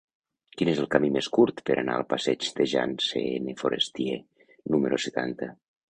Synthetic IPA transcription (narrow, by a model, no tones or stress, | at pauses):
kinezelˠkamimeskuɾt̪pəɾʔana̰əlˠpasɛt͡ʃd̪eʒa̰nseenefoɾest̪ie | numəɾoset̪ant̪ə